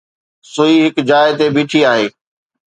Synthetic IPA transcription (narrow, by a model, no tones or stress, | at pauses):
sʊiːɦɪkd͡ʑaːɪt̪ebiːʈʰiaːɦeː